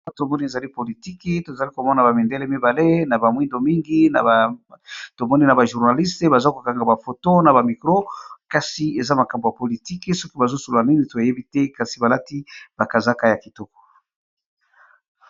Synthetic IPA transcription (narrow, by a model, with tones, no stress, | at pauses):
a˦tmɔ˦ni˦e˨za˨li˦po˨li˨ti˦ke˦to˨za˨li˦ko˨mɔ˦na˨ba˨mi˨nde˦lɛ˦mi˦ba˨le˦na˨ba˨mwi˦ndo˨mi˦ŋɡi˦na˨a˨ | to˨mɔ˦ni˦na˨ba˨ʒu˨ʁna˨li˦ste˨ba˨za˦ko˨ka˨ŋɡa˨ba˨fo˨to˦na˨ba˨mi˨kʁo˦ka˨si˨e˨za˦ma˨ka˨mbo˨ja˨po˨li˨ti˦ke˦sɔ˦ki˦ba˨zo˦so˨lo˨la˨ni˦ni˨to˨je˦bi˦tɛ˦ka˨si˨ba˨la˦ti˦b̥a˨ka˨za˦ka˦ja˨ki˨tɔ˦kɔ̥˨